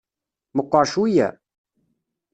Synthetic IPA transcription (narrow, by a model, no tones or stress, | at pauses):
məqːɑɾʃujæ̰